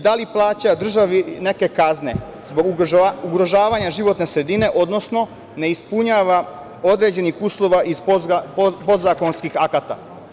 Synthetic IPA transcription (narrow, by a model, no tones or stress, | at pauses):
d̪aliplˠaːt͡ɕad̪r̩ʒaʋine̞ke̞kazne̞ | zbo̞ɡuɡɾo̞ʒaːʋaɲaʒiʋo̞t̪ne̞sɾed̪ine̞ʔo̞d̪no̞sno̞ | ne̞ispuɲaːʋa | o̞d̪ɾe̞d͡ʑe̞nixuːslˠo̞ʋaʔiz | pod̪zako̞nskixakat̪a̰